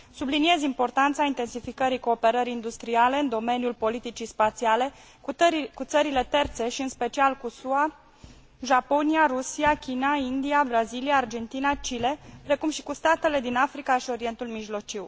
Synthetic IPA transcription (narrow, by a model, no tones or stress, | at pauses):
sublinie̞zimpo̞rt̪ant̪saint̪e̞nsifikəɾiko̞ːpe̞ɾəɾiːnd̪ust̪ɾiale̞ɨnd̪o̞me̞nijulpo̞lit̪it͡ʃispat̪siale̞ | kut̪səɾile̞t̪e̞rt̪se̞ʃiɨnspe̞t͡ʃialkusua | ʒapo̞niaɾusiakʲinaind̪iabɾaziliaːrd͡ʒe̞nt̪inat͡ʃile̞pɾe̞kumʃi̥kust̪at̪e̞le̞d̪inafɾikaʃio̞ɾie̞nt̪ulmiʒlo̞t͡ʃiw